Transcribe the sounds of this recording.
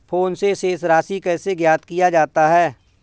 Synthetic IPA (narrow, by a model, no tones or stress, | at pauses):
pʰoːnseseːsɾaːsikɛːseɡjaːt̪kijad͡ʒaːt̪aɦɛː